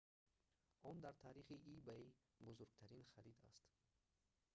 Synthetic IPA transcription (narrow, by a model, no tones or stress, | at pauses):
ɔnd̪aɾt̪ʰaɾiχiʔibai | buzuɾɡt̪ʰaɾinχaɾid̪a̰st̪